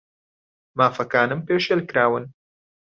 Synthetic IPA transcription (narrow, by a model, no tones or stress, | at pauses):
maːfɐkaːnɨmpeːʃelkɾaːwɨn